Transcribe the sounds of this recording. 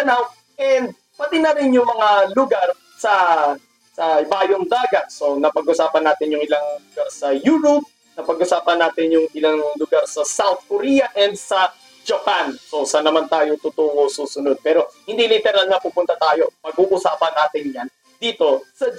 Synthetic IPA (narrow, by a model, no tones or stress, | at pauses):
ɐnaw | ʔɛnd̪̚ | pɐt̪ɪnɐɾɪnjʊŋmɐŋalʊɡaɾ | sɐ | sɐɪbaːjoŋd̪aːɡɐt̪̚so̞nɐpɐɡʔʊsaːpɐnaːt̪ɪnjʊŋɪlaŋlʊɡaɾsɐjuːɾʊp̚ | nɐpɐɡʔʊsaːpɐnːaːt̪ɪnjʊŋʔɪlaŋlʊɡaɾsɐsawt̪̚koɾijɐʔɛnd̪̚sɐ | d͡ʒɐpansosɐnːɐmant̪aːjot̪ʊt̪oːʔosuːsʊnod̪̚pɛːɾo̞hɪnd̪ilit̪ɛɾɐlŋapuːpʊnt̪ɐt̪aːjo̞pɐɡ̚ʔuʔʊsaːpɐnaːt̪ɪnjan | d̪iːt̪o̞sɐ